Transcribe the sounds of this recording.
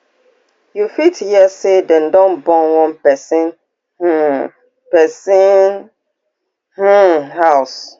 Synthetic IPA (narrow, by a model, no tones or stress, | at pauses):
jufitjɛsedɛ̃ndɔ̃nbɔ̃nwɔ̃npɛsĩn | h̩ | pɛsin | h̩haʊs